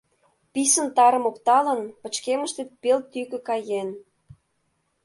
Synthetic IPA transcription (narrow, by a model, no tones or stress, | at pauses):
pisə̆nt̪ɑɾə̆mokt̪ɑlə̆npə̆t͡ɕkeməʃt̪et̪̚pelt̪ːykø̆kɑjen